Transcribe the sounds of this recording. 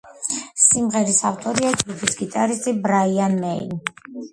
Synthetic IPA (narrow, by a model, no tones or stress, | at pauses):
simʁɛɾisaft̪ʼɔɾiad͡ʒɡupʰisɡit̪ʼaɾist̪ʼibɾaianmɛḭn